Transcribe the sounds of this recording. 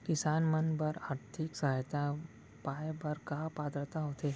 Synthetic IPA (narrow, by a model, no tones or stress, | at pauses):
kɪsaːnmənbəɾaːɾt̪ʰɪksaɦjt̪a | paːebɐɾkaːpaːd̪ɾət̪aɦoːt̪eː